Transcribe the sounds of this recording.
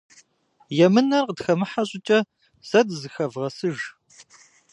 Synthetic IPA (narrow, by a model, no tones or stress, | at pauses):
jɛmɨnɐrqədxɐmɨħaɕʼɪt͡ʃʼɐ | sɐdzɨxɐvʁɐsɨʒ